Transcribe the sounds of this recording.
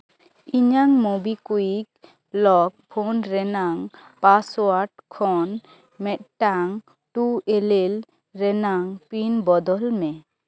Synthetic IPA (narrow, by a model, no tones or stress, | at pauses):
iɲaŋmobikuik̚ | lɔk̚pʰonɾɛnaŋpaswaʈkʰɔn | mɛt̪̚ʈaŋ | ʈuelel | ɾɛnaŋpinbɔd̪ɔlmɛ